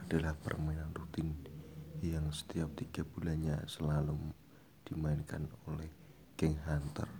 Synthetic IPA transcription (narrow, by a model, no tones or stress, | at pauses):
adalahpə̰rmainanrut̪ɪn | jaŋsə̥t̪iap̚t̪iɡabulanɲa̰səlalʊm | d̥imaɪnkanolɛh | ɡ̥ɛŋɦant̪ə̰r